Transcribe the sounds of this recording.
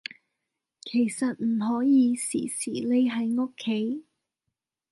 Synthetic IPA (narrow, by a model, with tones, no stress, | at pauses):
kʰe˨˩jsɐ˨t̚m̩˨˩ɦɔː˨˥jiː˨˧sḭː˨˩sḭː˨˩le˧jɦɐ˨˥jŋo˥kʰːe˨˥j